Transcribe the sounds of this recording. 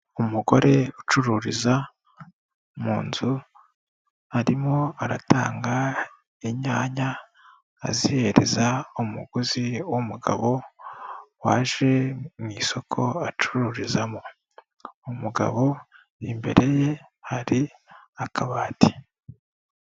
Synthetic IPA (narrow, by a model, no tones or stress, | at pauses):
umuɡo̞ɾe̞ut͡ʃuɾuɾiza | muːnzu | aɾimo̞aɾataːŋɡa | iɲaːɲa̰ː | zihe̞ɾe̞̰zaumuɡ̥uziwomuɡa̰βo̞ | waːʒe̞mŋiːso̞kʰo̞at͡ʃuɾuɾizamo | umuɡa̰βo̞ | imbe̞̰ɾe̞je̞haɾiakaβaːti̥